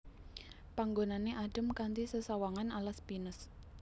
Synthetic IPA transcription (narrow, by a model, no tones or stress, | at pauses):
paŋɡonaneʔaɖ̥ə̤mkant̪isəsawaŋanalaspinəs